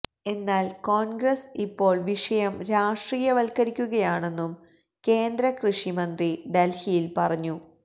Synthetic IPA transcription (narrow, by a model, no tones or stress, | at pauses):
e̞nːaːlkoːnɡɾɐsipːo̞ːɭʋiʂɐjɐmɾaːʂʈriːjɐʋɐlkɐɾikʲːuɣɐjaːɳe̞nːum | ke̞ːnd̪ɾɐkrɨʂimɐnd̪riɖelhijilpɐrɐɲːu